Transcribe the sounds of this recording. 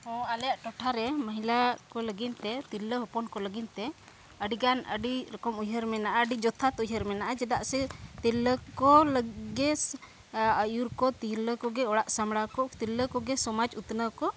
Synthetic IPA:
hɔ̃aljaʔʈɔʈʰaɾɛməɦilakɔləɡint̪ɛt̪iləɦɔpɔnkɔləɡint̪ɛ | əɖiɡanə̰ɖiɾɛkɔmujɦəɾmɛnaʔaɖid͡ʒɔt̪ʰat̪ujɦəɾmɛnaʔad͡ʒɛd̪aʔsɛt̪iləkɔləɡɛs | əjuɾkɔt̪iɦləkɔɡɛɔɽaʔsamɽakɔt̪ilːəkɔɡɛsɔmad͡ʒut̪nəkɔ

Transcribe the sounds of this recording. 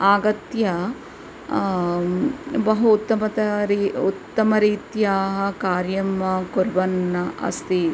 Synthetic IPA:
aːɡɐt̪jɐ | bɐɦuːt̪ːɐmɐt̪ɐɾiut̪ːɐmɐɾiːt̪jaːɦɐ̆kaːɾjɐmːɐkuɾbɐnːɐɐ̰st̪i

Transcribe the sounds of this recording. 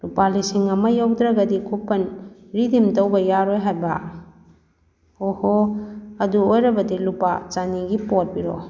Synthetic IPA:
lupalisiŋɐmɐjawdɾaɡɐdikʰupːɐnɾidimtɐwbɐjaɾojɦajba | ohoɐduojɾɐbɐdilupa̰t͡ʃaniɡipot̚biɾo̰

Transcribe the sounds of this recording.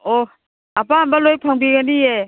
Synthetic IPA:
o | apambalojpʰaŋbiɡanie

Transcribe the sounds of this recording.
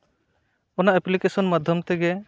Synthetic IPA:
ɔnaʔɛplikesɔnmad̪ʱjɔmt̪ɛɡɛ

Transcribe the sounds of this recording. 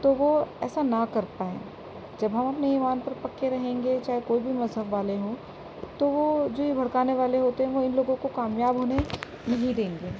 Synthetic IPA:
t̪oʋoɛ̰ːsanɐkɐɾpaːḛ̃ː | d͡ʒɐbɦɐmɐpneiːʋaːnpɐɾpɐkːeɾɐɦẽːŋɡet͡ʃaːɦekoːibʱimɐzɦəbʋaːleɦõː | t̪oʋod͡ʒoːjibʱɐɽkaːneʋaːleɦoːt̪eɦɛ̃ʋoɪnloːɡõkokaːmjaːbɦoːne | nɐɦĩd̪ẽːŋɡeː

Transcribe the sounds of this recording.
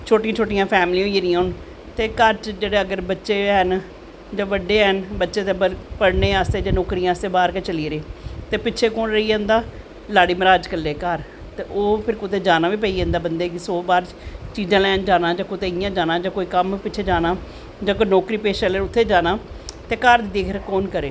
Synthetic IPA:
t͡ʃʰoːʈij̃ãːt͡ʃʰoːʈ̬ijãːpʰɛːmlĩːienĩːɦoːn | t̪eːkəɾt͡ʃd͡ʒeːɽeːəɡəɾbətːʃeːɦən | d͡ʒãːʋəɖːeːɦənbətːʃeːt̪eːəpəɽneːaːst̪eːd͡ʒaːnɔːkɾijãːəst̪eːbaːɾket͡ʃəliːɾeːt̪eːpɪːt͡ʃʰeːkoːnɾəiːə̃nd̪aː | laːɽiːmɾaːd͡ʒkəleːkəɾ | t̪eːʔoːpʰɪɾkʊt̪eːd͡ʒaːnaːʋiːp̬əiːə̃nd̪aːbənd̪eːkɪsoːbaːɾ | t͡ʃiːd͡ʒãːlɛːnd͡ʒaːnaːd͡ʒãːkʊt̪eːɪjãːd͡ʒaːnaːd͡ʒãːkoːiːkəmpɪt͡ʃʰeːd͡ʒaːnaː | d͡ʒãːkonɔːkɾiːpeːʃəleːɾʊt̪ʰːeːd͡ʒaːnaː | t̪eːkəɾd̪id̪eːkʰɾkoːnkəɾeː

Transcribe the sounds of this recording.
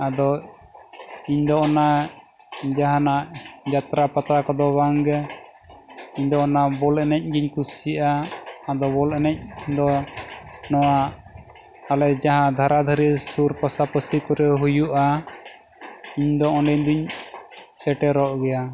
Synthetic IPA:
ad̪ɔ | iɲd̪ɔʔɔna | d͡ʒaɦanaʔd͡ʒat̪ɾapat̪ɾakɔd̪ɔbaŋɡɛ | iɲd̪ɔɔnabɔlɛnɛc̚ˀɡiɲkusiʔaːd̪ɔbɔlɛnɛc̚d̪ɔ | nɔwa | lɛd͡ʒaɦãd̪ʱaɾad̪ʱəɾisuɾpasapəsikɔɾɛɦujuʔa | iɲd̪ɔɔnɖɛɲd̪uɲ | sɛʈɛɾɔʔɡɛja

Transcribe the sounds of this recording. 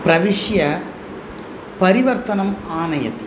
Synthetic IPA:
pɾɐʋiʂjɐ | pɐɾiʋɐɾt̪ɐnɐmaːnɐjɐ̰t̪i

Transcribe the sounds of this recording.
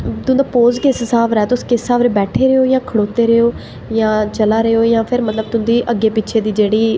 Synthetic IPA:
t̪ʊ̃nd̪aːpoːzkeːssaːʋɾɛːt̪ʊskessaːʋɾebɛːʈʰeːɾeoːjãːkʰəɽoːt̪eːɾəoː | jãːt͡ʃəlaːɾəoːjãːpʰɪɾmət̪ləb̚t̪ʊ̃nd̪iːʔəɡeːpɪːʃʰeːd̪iːd͡ʒeːɽiː

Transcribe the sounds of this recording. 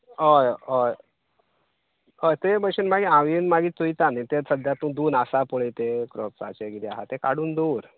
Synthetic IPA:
ojoj | ɦojt̪ebəɕinmaɡiãʋinmaɡiːt̪uit̪anit̪esəd̪jat̪ũd̪uːnasapoɭit̪ekɾɔpsa̰t͡ɕeɡiɾiaɦat̪ekaɽuːnd̪uːɾ

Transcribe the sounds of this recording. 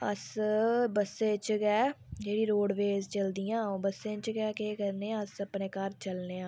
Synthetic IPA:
ə̰sbəsẽːt͡ʃɡɛː | d͡ʒeːɽiːɾoːɖʋeːzt͡ʃəld̪ijãːbəsẽːt͡ʃɡɛːkeːkəɾneːãːəsəpneːkəɾt͡ʃəlneːãː

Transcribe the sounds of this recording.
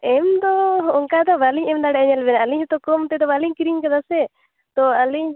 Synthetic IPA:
ɛmd̪ɔɔŋkad̪ɔbaliɲɛmd̪aɽɛɛɲɛlbɛnaaliɲhɛt̪ɔkɔmt̪ɛd̪ɔbaliɲkiɾiɲkad̪asɛ | t̪ɔaliɲ

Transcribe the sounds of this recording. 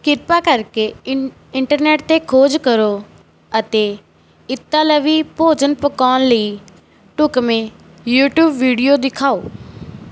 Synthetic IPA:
kɪɾpakəɾke | ɪ̃ɳʈəɾneːʈ̚t̪ekʰoːd͡ʒkəɾo | ət̪e | ɪt̪ːaləʋipoːd͡ʒənpʊkaːnləi | ʈʊkmẽ | juːʈjuːbːiːɖijod̪ɪkʰaːoː

